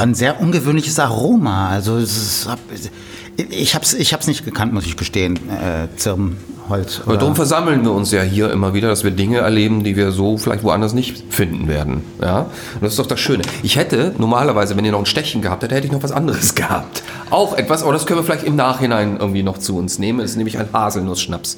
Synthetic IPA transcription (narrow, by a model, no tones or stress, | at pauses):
anzeːɐʔʊnɡəvøːnlɪçəsʔaʁoːmaʔalzossa | ɪçhaːbsɪçhaːbsnɪçtɡ̥əkʰantmʊsɪçb̥əʃteːənɛ̰ːt͡sɪɐmhɔlt͡sʔo̰alddaːʁʊmfɛɐzaml̩nviːɐʊnsjaːɦiːɐʔɪ̰mɐviːdɐɾasv̥iːɐdɪŋəɛ̰ɐleːbm̩diːviːɐzoːfɪla̰ɪçtvoʔa̰ndɐs̬nɪçt | fɪndn̩vḛːɐdn̩ja̰ː | ʊntd̥asɪstd̥ɔʊχd̥asʃøːnəʔɪçhɛtənʔɔɐmaːlɐvaɪzəvɛniːɐnɔχnʃtɛççən̩ɡəhapthɛtəhɛtəɪçnɔχv̥asʔandəʁəsɡ̥əha̰ːp̚t | ʔaʊxʔɛtv̥asʔoːɾɐdaskœnviɐflaɪçtɪmnaːχhɪnaɪnʔɪ̰ɐɡŋ̩tv̥iːnɔχt͡suʊnsneːmənɛsɪstneːm̩ɪçaɪnhaːzl̩nʊsʃnaps